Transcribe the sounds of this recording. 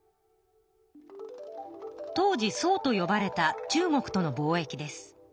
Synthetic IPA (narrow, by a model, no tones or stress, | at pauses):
t̪o̞ːʑiso̞ːt̪o̞jo̞baɾe̞t̪at͡ɕɨːmo̞kɯ̟̥t̪o̞no̞bo̞ːe̞kʲid̪e̞sɨ̥